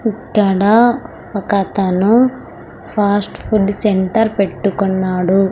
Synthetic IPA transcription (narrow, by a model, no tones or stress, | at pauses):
ikːɐɽɐ | pɐkat̪ɐnu | pʰaːsʈpʰuɖseɳʈɐɾpe̞ʈːukɔnːaːɽu